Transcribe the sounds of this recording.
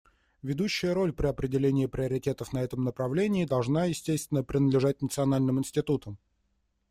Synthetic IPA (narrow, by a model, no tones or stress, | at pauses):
vʲɪd̪uɕːɪjəɾo̞lʲpɾʲɪɐpɾʲɪdʲɪlʲenʲɪːpɾʲɪəɾʲɪtʲe̞t̪əfnɐɛt̪əmnəpɾɐvlʲenʲɪːd̪ɐlˠʐnajɪsʲtʲest̪vʲɪnːəpɾʲɪnəd̪lʲɪʐat̚ʲnət̪sɨɐnalʲnɨmɪnʲsʲtʲɪt̪ut̪əm